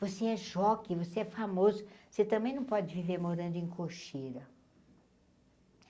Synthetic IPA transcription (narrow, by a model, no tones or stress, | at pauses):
voseɛʒɔkɪvoseɛfamozʊoset̪ɐ̃mbẽj̃nɐ̃w̃pɔd͡ʒɪviveɾmoɾɐ̃nd̪ʊẽkʰoʃiɾɐ